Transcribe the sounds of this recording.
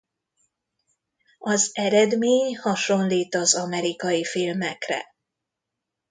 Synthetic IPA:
ɒzɛɾɛd̪meːɲhɒʃo̞nliːt̪ɒzɒmɛɾikɒjifilmɛkrɛ̰

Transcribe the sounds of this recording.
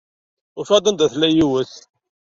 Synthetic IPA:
ʊfæd̪ənd̪æθlæjiwəθ

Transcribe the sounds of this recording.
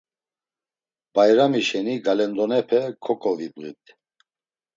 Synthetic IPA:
b̥ajɾamiʃɛniɡalɛnd̪ɔnɛpʰɛkʰɔkʼɔvibɣḭt̪ʰ

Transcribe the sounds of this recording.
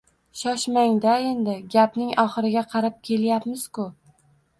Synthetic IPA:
ʃɒʃmaŋd̪ae̞nd̪ɪɡʲapnɪŋɒχɨɾɪɡʲaqʰɑɾap̚kʲʰe̞ljapmɪz̥kʊ

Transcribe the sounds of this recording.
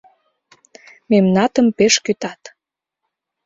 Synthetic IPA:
memnɑt̪əmpeʃkyt̪ɑt̪

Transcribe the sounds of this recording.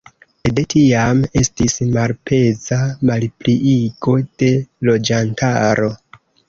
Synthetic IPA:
edetʰiame̞stismalpe̞zamalpliʔiɡo̞d̥e̞lo̞d͡ʒantaɾo̞

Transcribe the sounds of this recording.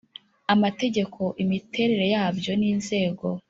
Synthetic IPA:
amate̞ɟe̞kʰo̞ʔimite̞ɾe̞ɾe̞jaːbjo̞niːnze̞ːɡo̞

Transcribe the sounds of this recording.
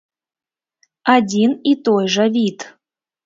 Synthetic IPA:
adʲinit̪ojʐəvʲit̪

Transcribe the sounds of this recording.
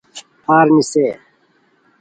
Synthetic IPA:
paːɾniseː

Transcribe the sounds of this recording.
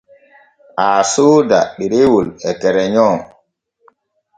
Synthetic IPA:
ʔaːsoːda̰ɗiɾewulɛtɛɾɛɲɔŋ

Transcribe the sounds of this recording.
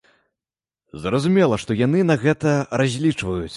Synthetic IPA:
zɾɐzumʲɛlˠɐʂt̪ɔjan̪ɨnɐɣɛt̪ɐrazʲlʲit͡ʂvɐjut͡sʲ

